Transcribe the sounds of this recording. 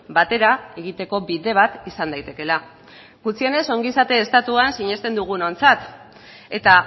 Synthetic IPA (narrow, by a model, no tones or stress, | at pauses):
bat̪e̞ɾae̞ɣit̪e̞ko̞biðe̞β̞at̪isand̪ajt̪e̞ke̞la | ɡut͡sie̞ne̞so̞ŋɡisat̪e̞ːst̪at̪uansiɲe̞st̪e̞nd̪uɣ̞uno̞nt͡sat̪ | e̞t̪a